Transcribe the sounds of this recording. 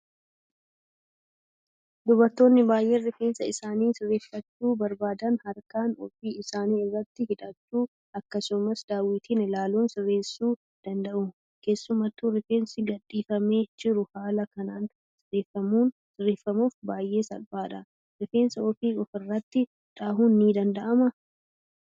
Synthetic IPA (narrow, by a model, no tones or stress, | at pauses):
d̪ʊbɐɾt̪ːo̞ːnːɪbaːjʔe̞ːrːɪfe̞ːnsɐɪsaːniːsɪrːeːfːɐt͡ʃːuːbɐɾbaːd̪ɐnhɐɾkaːnɔ̰fiːɪsaːniːɪrːɐt̪ːɪhɪᶑ̪ɐt͡ʃːuː | ɐkːɐsʊmɐsd̪aːwɪt̪iːnɪlaːluːnsɪrːe̞ːsuː | d̪̥ɐnd̪ɐʔʊ | ke̞ːsːʊmɐt̪ːuɾɪfeːnsɪɡɐᶑʼːiːfɐme̞ːd͡ʒɪɾʊhaːlɐkɐnaːn | sɪrːeːfːɐmuːn | sɪrːeːfːɐmuːfbaːjʔe̞ːsɐ̰lbaːᶑɐ̰ | rɪfeːnsɐɔfiːʔɔfɪrːɐt̪ːɪ | ᶑaːhuːnːiːd̪ɐnd̪ɐʔɐmɐ